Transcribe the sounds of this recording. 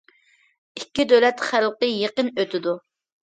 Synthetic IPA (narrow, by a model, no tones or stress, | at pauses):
ikʲːid̪ølɛt̪χælqəjeqənøt̪ʰɪd̪u